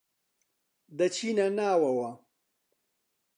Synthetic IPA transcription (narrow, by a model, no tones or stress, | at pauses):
d̪ɐt͡ʃʰiːnɐnaːwɐwɐ